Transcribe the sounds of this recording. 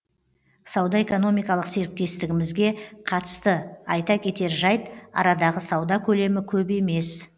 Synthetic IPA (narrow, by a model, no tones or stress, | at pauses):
sɑwd̪ɑe̞ko̞no̞mijkɑlˠəqse̞ɾɪk̚t̪e̞st̪ɪɡʲɪmɪzɡʲe̞qʰɑt̪ə̥st̪əɑjt̪ɑkʲʰe̞t̪e̞ɾʒɑjt̪ɑ̰ɾɑd̪ɑʁəsɑwd̪ɑkʲʰɵle̞mɪkʲʰɵbe̞me̞s